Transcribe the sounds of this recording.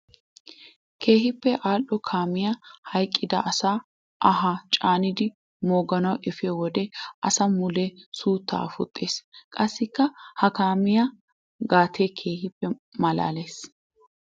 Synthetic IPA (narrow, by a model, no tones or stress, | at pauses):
kʰe̞ːhɪpːɛʔaːlːɔkʰaːmɪjɐhɐjkʼːɪd̪ɐ̰ʔɐsaː | ʔɐɦat͡ʃʼaːnɪd̪ɪ | moːɡɐnɐwʔɛfeːwɔd̪ɛʔɐsɐmʊlesuːt̪ːa̰ːfʊ̰t̪ʼːeːskʼɐsːɪkːɐhɐkaːmɪjɐ | ɡaːt̪ʰeːkʰe̞ːhɪpːɛmɐla̰ːleːs